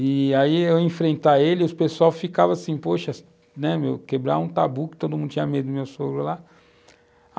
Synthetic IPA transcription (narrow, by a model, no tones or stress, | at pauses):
ɪaiewẽfɾẽnt̪aelɪiʊspesuawsfikavɐasĩpoʃɐ | nɛmewkebɾa̰ũt̪abukɪ̥t̪od̪ʊmũd̪ʊt͡ʃĩɲɐmed̪ʊd̪ʊmewsoɡɾʊla